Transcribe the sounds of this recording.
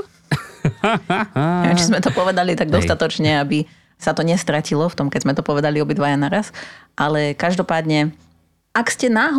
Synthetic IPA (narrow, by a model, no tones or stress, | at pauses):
ɛt͡ʃizmɛt̪ɔpɔʋɛd̪alit̪aɡ̚d̪ɔst̪at̪ɔt͡ʃɲɛabi | sat̪ɔɲɛst̪ɾacilɔft̪ɔmkɛɟzmɛt̪ɔpɔʋɛd̪aliɔbid̪ʋajanaɾasʔalɛkaʒd̪ɔpaːd̪ɲɛ | ʔakscɛnaːɦ